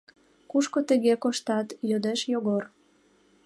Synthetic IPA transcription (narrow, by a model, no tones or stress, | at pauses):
kuʃkot̪ĕɣekoʃt̪ɑt̪jød̪eʃjoɣor